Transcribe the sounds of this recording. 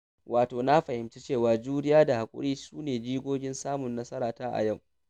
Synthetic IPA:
wʔaː˨toː˨na˦ɸɐ˨hɪ˨mt͡ʃe˦t͡ʃeː˦˨waː˨d͡ʒuː˦nɪ˦jaː˦da˨ha˨kʷʼʊ̰˦ɽiː˦suː˦neː˨d͡ʒiː˦ɡʷoː˦ɡʲɪ˦nsaː˦mʊ˨nːɐ˦sɐ˦ɾaː˨taː˦ʔa̰˨jɐ˦˨w

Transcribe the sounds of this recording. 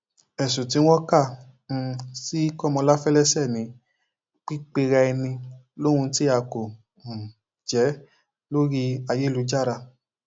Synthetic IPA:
ɛ˨sũ˨ti˨˧˦w̃ɔ̃˦kã˦˨˧ | si˦kɔ˦˨mɔ̃˧la˦fɛ˦lɛ˦sɛ˦˨nĩ˨˦ | k͡pi˦k͡pe˧ɾɛ˧ɛ˧nĩ˧ | lõ˦ũ˧ti˦a˧kõ˨ | d͡ʒɛ˨˦ | lo˦ɾi˧a˧je˦lu˧˦d͡ʒa˦˨ɾa˧

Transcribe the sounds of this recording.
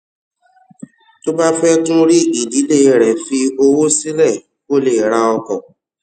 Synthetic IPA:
to˦ba˦fɛ˦tũ˦ɾi˦i˦˨di˨˦le˦˨˧ɾɛ˨fi˧o˧wo˦si˦lɛ˦˨ | ko˦le˨ɾa˧ɔ˧kɔ̰˨

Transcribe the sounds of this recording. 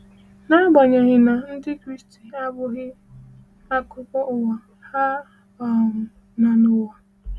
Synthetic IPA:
na˦ɡ͡ba˨ɲa˨ɣɪ˨na˨n̩˦dɪ˦kɾi˦sti˨a˦bʊ˦ɣɪ˦ | a˦kʊ˦pɔ˦ʔʊ˨wa˨ | ha˦ | ɔ˨m̩˨ | na˨nʊ˦wa˨

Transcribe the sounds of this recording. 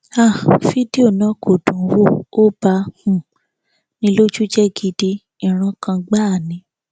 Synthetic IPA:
a˦˨fi˦di˦o˦˨nã˨˦kʰo˨dũ˨˦wo˦˨o˦ba˧hũ˨ | nĩ˦lo˦d͡ʒu˦d͡ʒɛ˦ɡi˧di˧ | ĩ˦˨ɾ̃ã˧kã˧ɡ͡ba˦˨nĩ˧˦

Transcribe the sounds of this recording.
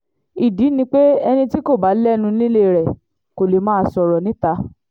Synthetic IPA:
i˨di˨˦nĩ˧k͡pe˦ɛ˧nĩ˧ti˦ko˦˨ba˨˦lɛ˦˧nũ˧˦ĩ˦le˦˨ɾɛ˨ | ko˨le˨˦mãː˦˧˨sɔ˨ɾɔ˨nĩ˨˦ta˧˦

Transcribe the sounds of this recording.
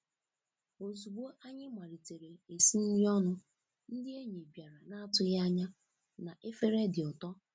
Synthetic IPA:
o˨zu˨bo˦ʔa˦ɲɪ˦ma˨ɾi˨te˨ɾe˨e˨si˦ni˦ɾi˦ɔ˦nʊ˦ | n̩˦dɪ˦e˦ɲe˨bja˨ɾa˨na˦a˦tʊ˦ja˦ɲa˦ | na˨ʔe˦fe˦ɾe˦dɪ˨ɔ˨tɔ˦

